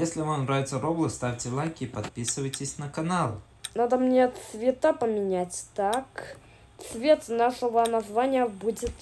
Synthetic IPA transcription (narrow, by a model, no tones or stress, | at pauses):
jesʲlʲɪvamnɾavʲɪt̪səɾoblˠɨst̪afʲtʲɪlˠajkʲɪpɐt̪̚pʲisɨvəjtʲɪsʲnəkɐnalˠ | nad̪əmnʲet̪svʲɪt̪apəmʲɪnʲæt͡sʲt̪ak | t̪svʲet̪naʂəvənazvanʲɪjəbudʲɪt̪